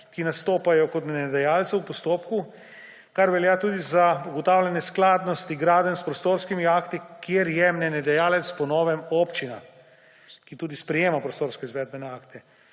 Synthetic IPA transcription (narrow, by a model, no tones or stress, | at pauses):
kinast̪oːpajɔkɔt̪mnɛd̪ɛjaːlt̪sɛwpɔst̪oːpku | kaɾʋɛljaːt̪uːd̪izauɡɔt̪aːwlʲjanɛsklaːd̪nɔst̪iɡɾaːd̪ənspɾɔst̪oːɾskimiaːkt̪ikjeɾjɛmnɛnɛd̪ɛjaːlɛt̪spɔnɔːʋɛmoːpt͡ʃina̰ | kit̪uːd̪ispɾɛjeːmapɾɔst̪oːɾskɔizʋɛːd̪̚bɛnɛaːkt̪ɛ